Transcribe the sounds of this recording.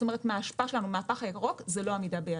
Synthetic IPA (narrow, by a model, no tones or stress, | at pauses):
t̪ome̞et̪meaːʃpaaʃe̞lanumaːpaχajakʁo̞kzeloamid̪abe